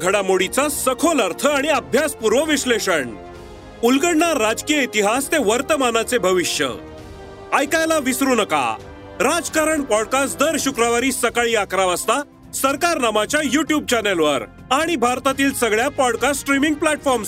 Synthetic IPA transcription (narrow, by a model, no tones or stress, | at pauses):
ɡʱəɽamoɽit͡sasəkʰoləɾt̪ʰəaɽ̃iəbʱjaspuɾʋəʋiɕleɕəɳ | ulɡəɽnaɾːad͡zkijəit̪iɦast̪eʋəɾt̪əmanat͡sebʱəʋiɕjə̰ | ajkajlaʋisɾuːnəka̰ | ɾad͡zkaɾəɳpɔɽkasd̪əɾɕukɾəʋaɾiːsəkaɭiːakɾaʋəst̪a | səɾkaɾnamat͡ɕjajuʈjub̚t͡ɕɛnelʋəɾ | aɽ̃ibʱaɾt̪at̪iːlsəɡɭjapɔɽkasʈɾimiŋɡ̚plæʈfɔɾms